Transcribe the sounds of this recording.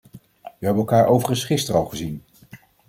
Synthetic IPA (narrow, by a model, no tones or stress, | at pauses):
ʋəɦɛbənɛlˠkaːɹʔowvərənsχɪstərɑlˠχəzin